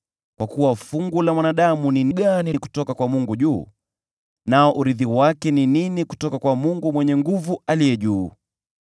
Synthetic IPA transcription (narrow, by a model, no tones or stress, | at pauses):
kwakuwafuŋɡulamwanaɗamuniniɡaniku̥tɔkakwamuŋɡuʄuː | naɔʔuɾiðiwakɛnininiku̥tɔkakwamuŋɡumwɛɲɛŋɡuvualijɛʄuː